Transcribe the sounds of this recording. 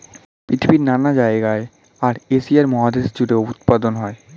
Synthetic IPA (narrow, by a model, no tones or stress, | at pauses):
pɾit̪ʰibiɾnanad͡ʑaeɡae | aɾesiaɾmɔɦad̪eʃd͡ʑuɽeout̪̚pad̪onɦɔe